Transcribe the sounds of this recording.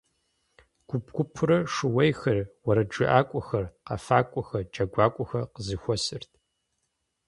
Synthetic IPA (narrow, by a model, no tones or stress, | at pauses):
ɡ̥ʷʊpɡʷʊpʰʊɾɐʂɨwɐjxɐrwɐɾɐd͡ʒɨʔaːkʷʼʊxɐrqafaːkʷʼʊxɐrd͡ʒɐɡʷaːkʷʼʊxɐqəzɨxʷɔsɨrtʰ